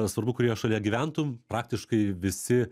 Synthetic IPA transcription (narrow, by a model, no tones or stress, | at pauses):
sʋɐɾbʊkʊɾʲeːjoʃɐlʲijɛɡʲiʋʲænt̪ʊmpɾɑːk̚t̪ʲɪʃkɐɪʋʲɪsʲɪ